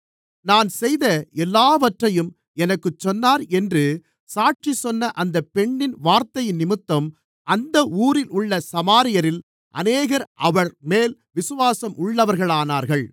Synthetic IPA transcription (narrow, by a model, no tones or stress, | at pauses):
naːnsɛjðɐɛlːaːʋɐʈrɐjɯm | ɛnɐkːɯt͡ʃːɔnːaːɾɛndrɯ | saːʈ̚t͡ʃisɔnːɐʔɐnd̪ɐpːɛɳːɪnʋaːɾt̪ɐjɪnːɪmɯt̪ːɐm | ʔɐnd̪ɐʔuːɾɪlʊɭːɐsɐmaːɾɪjɐɾɪl | ʔɐ̰neːɣɐɾʔɐʋɐɾmeːlʋɪsɯʋaːsɐmʔʊɭːɐʋɐɾɣɐɭaːnaːɾɣɐɭ